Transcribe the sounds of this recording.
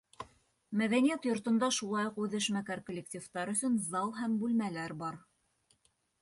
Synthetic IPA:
mæðænijæt̪jŏɾt̪ɤ̆nd̪ɑʃulˠɑjoqʉðɘ̆ʃmækæɾkŏlʲːek̚tʲift̪ɑɾɵ̆sɵnzɑlˠɦæmbʉlmælæɾbɑɾ

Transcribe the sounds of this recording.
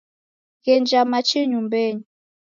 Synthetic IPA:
ɣɛnd͡ʒamat͡ʃiɲumbɛɲi

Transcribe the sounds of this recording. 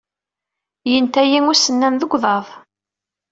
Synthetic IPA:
jənt̪æjiŋʊsənːænðəɡʷðˤɑðˤ

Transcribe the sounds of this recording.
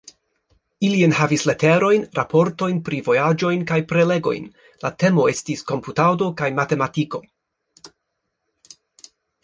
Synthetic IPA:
ilienhavisle̞te̞ɾo̞jnɾapʰo̞ɾto̞jnpɾivo̞jad͡ʒo̞jnkajpɾe̞le̞ɡo̞̰jn | late̞mo̞e̞stisko̞mputawdo̞kajmate̞matiko̞

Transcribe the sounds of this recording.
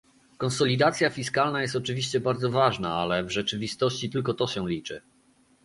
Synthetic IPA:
kɔnsɔlʲid̪at̪sʲjafʲiskalnajɛst̪ɔt͡ʂɘvʲiɕt͡ɕɛbaɾd̪zɔvaʐnaalɛvʐɛt͡ʂɘvʲist̪ɔɕt͡ɕit̪ɘlkɔt̪ɔɕɛ̃lʲit͡ʂɘ̰

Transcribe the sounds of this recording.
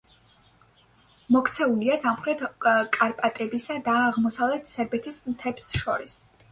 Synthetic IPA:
mɔkʰt̪sʰɛuliasamχɾɛd̪kʼaɾpʼat̪ʼɛbisad̪aːʁmɔsavlɛt̪ʰsɛɾbɛt̪ʰismt̪ʰɛbsʃɔɾis

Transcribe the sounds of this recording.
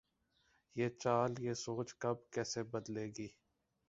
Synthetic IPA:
jeːt͡ʃaːljeːsoːt͡ʃkɐb̚kɛːsebɐd̪leːɡiː

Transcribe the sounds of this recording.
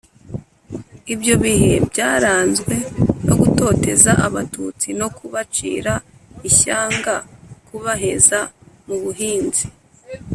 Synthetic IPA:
ibjo̞βihe̞bɟaːɾaːnzɡwe̞no̞̰ɡuto̞ːte̞zaʔaβatut͡sino̞kuβat͡ʃḭːɾa | içaːŋɡakuβaɦe̞zamuβuɦiːnzi

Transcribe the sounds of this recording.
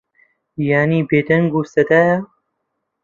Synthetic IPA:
jaːniːbeːd̪ɐŋɡuːsɐd̪aːja

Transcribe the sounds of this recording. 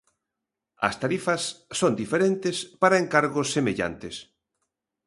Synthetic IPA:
ɐ̰st̪aɾifɐsːond̪ifeɾent̪ɪspaɾɐeŋkaɾɣʊsːemeʎa̰nt̪ɪs

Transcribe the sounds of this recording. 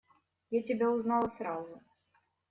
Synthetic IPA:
jat͡sʲɪbʲɛuznalˠɐsɾazʊ

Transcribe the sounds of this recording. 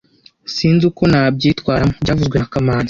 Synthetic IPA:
siːnzuko̞naːb̚ɟiːtwaːɾamobɟaːvuzɡwenakamaːnza

